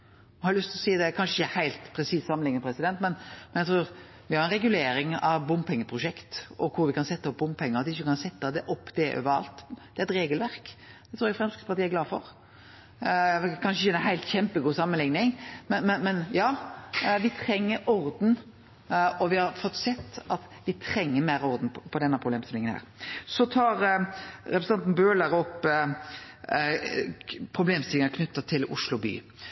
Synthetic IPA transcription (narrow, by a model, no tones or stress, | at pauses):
hɑɾlʉst̪ɪlɔsiːd̪ɛkʰɑnʃəɪçəhæɪlt̪pʰɾɛsiːssɑmənlɪŋnəpʰɾɛsɪd̪ɛnt̪mɛnmɛnjæɡt̪ʰɾʉːɾ | ʋɪhɑɾɛnɾɛɡʉleːɾɪŋɑʋbʊmpʰɛŋːəpʰɾʊʂɛkt̪ɔkʰʊɾʋɪkɑnsɛt̪ːɑɔp̚bʊmpʰɛŋːəɾɑt̪ʋɪɪçːəkɑnsɛt̪ːɑd̪ɛʔɔpːd̪̥ɛʔø̰ːʋəɾɑ̰lt̪d̪̥ɛæɛt̪ɾeːɡəlʋæɾkd̪̥ɛt̪ʰɾuːɾɛɡfɾɛmskə̥pʰɑɾt̪iːæɾɡlɑːfɔɾ | kʰɑnʃəɪçəɛnɦæɪlt̪çɛmpəɡuːsɑmːənlɪŋnɪŋmmɛnmɛnjɑːʋɪt̪ʰɾɛŋːəɾɔɾd̪n̩ | ɔʋɪhɑʁfɔt̪ːsɛt̪ːɑt̪ | ʋɪt̪ʰɾɛŋːəmeːɾɔɾd̪n̩pʰɔd̪ɛnːəpʰɾʊbleːmsɪlɪŋənhæ̰ːɾsɔt̪ʰɑːɾɾɛpɾəsɑnn̩bøːləɾɔpː | pʰɾʊbleːmst̪ɪlɪŋəkʰnʉt̪ːət̪ʰɪlʊ̰ʂlʊby̰ː